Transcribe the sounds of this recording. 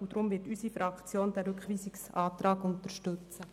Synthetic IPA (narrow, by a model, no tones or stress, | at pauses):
ud̥̪ɾʊmvɪːtysifɾɑkt͡sjoːnd̥ɛɾɵkχʋiːsɪksɑːtɾɑːɡʊnt̪əɾʃtɵt͡sə